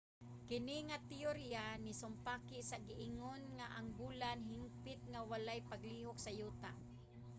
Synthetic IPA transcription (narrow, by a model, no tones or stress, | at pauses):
kɪnɪŋat̪ɪoɾianɪsʊmpaːkɪʔsaɡɪʔɪŋonŋaʔaŋbuːlanɦɪŋpɪt̪̚ŋawalajpaɡliɦoksajuːt̪a